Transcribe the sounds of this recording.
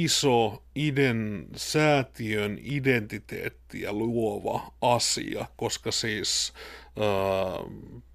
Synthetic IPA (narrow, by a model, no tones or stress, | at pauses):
isoidensæːt̪iønident̪it̪ḛːt̪ːijɑ̰luoʋɑ̰ɑsḭɑ̰koskɑsiːs | əː